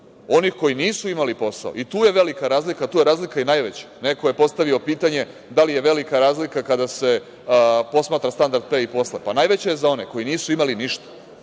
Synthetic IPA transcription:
o̞nixko̞jiniːsuimalipo̞sa̰o̰it̪uːje̞ʋe̞likaɾaːzlikat̪uːjeɾaːzlikainajʋe̞t͡ɕḁne̞ko̞je̞po̞st̪aʋio̞piːt̪aɲe̞ | d̪alije̞ʋe̞likaɾaːzlikakad̪ase̞ | po̞smaːt̪ɾast̪and̪aɾd̪̚peipo̞slepanajʋe̞t͡ɕaje̞zao̞ne̞ko̞jiniːsuimaliniʃt̪ḁ

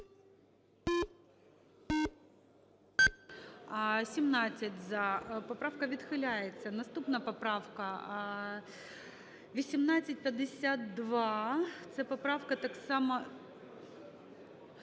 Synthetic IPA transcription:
sʲimnɑt͡sʲːɐtʲzɐpɔpɾɑwkɐʋʲid̪xɪlʲajet͡sʲːɐnɐst̪upnɐpɔpɾɑwkɐ | ʋʲisʲimnat͡sʲːɐt̚ʲpʲjɐd̪ɪsʲat̪̚d̪ʋɑt̪sɛpɔpɾɑwkɐt̪ɑksɑmɐ

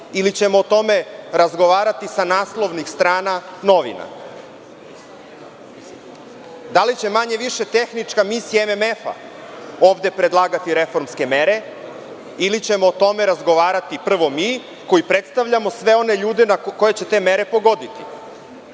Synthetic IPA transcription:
ilit͡ɕe̞mo̞ːt̪o̞me̞ɾazɡo̞ʋaːɾat̪isanaːslˠo̞ʋnixst̪ɾaːnano̞ʋḭna̰ | d̪alit͡ɕe̞maɲe̞ʋiʃe̞t̪e̞xnit͡ʃkamisijememe̞fa̰ | o̞ːʋd̪e̞pɾe̞d̪lˠaːɡat̪iɾe̞fo̞ɾmske̞meɾe̞ | ilit͡ɕe̞moːt̪o̞me̞ɾazɡo̞ʋaːɾat̪ipr̩ʋo̞miː | ko̞jipɾe̞t̪st̪aʋʎamo̞sʋe̞o̞ne̞ʎuːd̪enako̞je̞t͡ɕet̪e̞ːme̞ɾe̞po̞ɡo̞d̪it̪ḭ

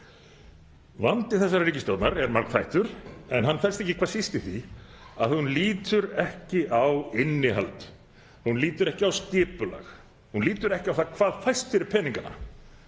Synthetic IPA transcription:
vant̪ɪθɛsːaɾriːcɪst̪owt̪naɾɛɾmaɾkfajht̪ʏɾ̥ɛnɦanːfɛlst̪ɛhcːɪkʰvaːɾsist̪ɪθiaðθhunliːt̪ʏɾɛhcɪʔawɪnːɪɦa̰lt̪ | hunliːt̪ʏɾɛhcɪawst̪ɪːpʏla̰x | hunliːt̪ʏɾɛhcɪawθakʰv̥aːðfajst̪fɪɾɪɾpʰɛːniŋkana̰

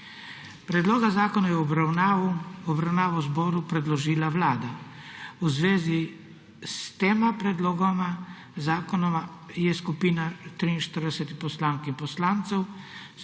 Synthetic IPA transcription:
pɾɛd̪loːɡazaːkɔnajɛɾ | ɔbɾawnaːʋawuzbɔːɾupɾɛd̪lɔʒiːlaʋlaːd̪a | uzʋeːzi | st̪eːmapɾɛd̪loːɡɔma | zaːkɔnɔmajɛskupiːnat̪ɾiinʃt̪əɾd̪ɛsɛt̪ipɔslaːŋkinpɔslaːnt̪sɛw

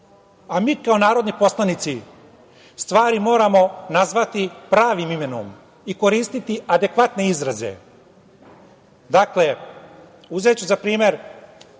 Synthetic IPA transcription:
amiːkao̞naːɾod̪nipo̞slˠanit̪si | st̪ʋaːɾimo̞ːɾamo̞nazʋat̪ipɾaːʋimime̞no̞̰m | iko̞ɾiːst̪it̪iʔad̪e̞kʋat̪ne̞izɾaze̞̰ | d̪akle̞ | uze̞t͡ɕuzapɾiːme̞ɾ

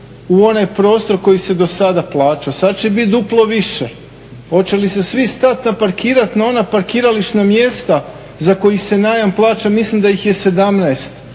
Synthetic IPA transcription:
uo̞najpɾo̞ːst̪o̞ɾko̞jise̞d̪o̞sad̪aplˠaːt͡ʃasad̪̚t͡ʃebit̪̚d̪uplˠo̞ʋiʃe̞ | o̞t͡ɕelise̞sʋist̪at̪napaɾkiːɾat̪nao̞napaɾkiːɾaliʃnamje̞st̪a | zako̞jise̞najamplˠaːt͡ʃamislimd̪ajixje̞se̞d̪amnaest̪

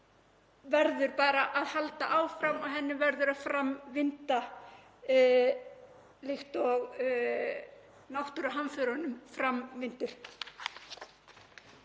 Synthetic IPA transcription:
vɛɾðʏɾpaːɾaʔaðhalt̪aʔaːwfɾamaɣɦɛnːɪvɛɾðʏɾaðfɾamːvɪnt̪a | lɪxt̪ɔɣ | nawht̪ʏɾaɦanfœɾanʏmfɾamvɪnt̪ɪɾ̥

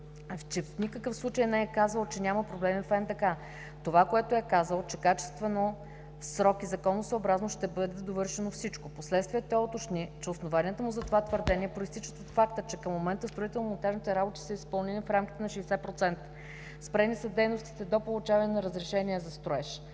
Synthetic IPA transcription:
t͡ʃɛfnʲikəkəfslˠut͡ʃəjnɛɛkazəlˠt͡ʃɛnʲaməpɾoblɛmifɛnt̪ɐka | t̪ovakoɛt̪oɛkazəlˠt͡ʃɛkat͡ʃɛ̥st̪vɛno | sɾɔkizɐkɔnːosəoːbɾaznoʃt̪ɛbɤd̪ɛd̪ovɤɾʃɛnofsit͡ʃkoposlɛt̪st̪vʲijət̪ɛɔt̪oʃnit͡ʃɛosnovaniət̪əmʊzɐt̪ovat̪vəɾd̪ɛnʲiɛpɾoist̪it͡ʃət̪ət̪fakt̪ət͡ʃɛkəmːomɛnt̪əst̪ɾoit̪ɛlˠnmont̪aʒnit̪ɛɾabot̪i̥səispɤlˠninifɾamkʲi̥t̪ɛnɐʃɛːsɛpɾot̪sɛnt̪ə̥ | spɾɛnisɐd̪ɛjnost̪i̥t̪ɛd̪opolˠʊt͡ʃavɐnʲɛnɐɾəzɾɛʃɛnʲiɛzɐst̪ɾoɛʃ

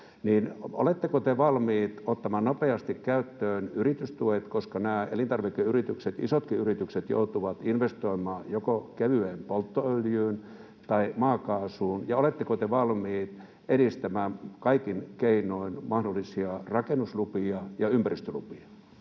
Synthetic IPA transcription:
niːno̰let̪ːekot̪eʋɑlmiːt̪ot̪ːɑmɑːnnopeɑst̪ikkæyt̪ːøːnyrit̪yst̪uet̪koskɑnæːḛlint̪ɑrʋikːeyrit̪ykset̪isot̪kiyrit̪ykset̪jo̰ut̪uʋɑt̪inʋest̪oimɑːjokokeʋyeːmpolt̪ːoøljyːn | t̪ɑimɑːkɑːsuːnjɑolet̪ːekot̪eʋɑlmiːt̪ | eɾist̪æmæːkɑikinkeinoinmɑhdolːisiɑrɑkenuslupiɑjɑympærist̪ølṵpiɑ

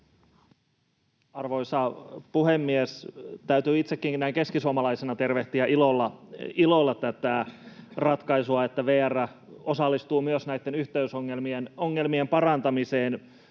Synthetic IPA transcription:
ɑrʋo̞isɑpuhemːiest̪æyt̪yːit̪sekːiŋknæiŋke̞skisuomɑlɑisenɑt̪e̞rʋeht̪iæʔilolːɑilo̞lːɑt̪ːæt̪ærɑt̪kɑisuɑet̪ːæʋeːæræ | osɑlːist̪uːmyøsnæjt̪ːenyht̪eysoŋːelmienoŋːe̞lmiempɑrɑnt̪ɑmiseːn

